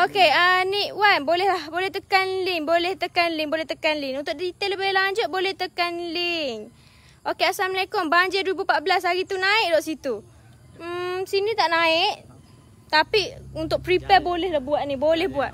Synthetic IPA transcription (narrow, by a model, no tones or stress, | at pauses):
okeəniʔwanbolɛhlahbolɛht̪əkanliŋbolɛht̪əkanlɪŋbolɛht̪əkanliŋunt̪ʊʔdit̪ələbɪlaɲd͡ʒʊt̪̚bolɛht̪əkanliŋ | ʔokeasalməlakɔnbaɲd͡ʒəduibupaʔbəlasaɣit̪unaɪʔdɔʔsit̪u | m̩sinit̪aʔnaɪʔ | t̪apiunt̪ʊʔ̚pɾipɛbolɛhlabuaʔnibolɛhbuaʔ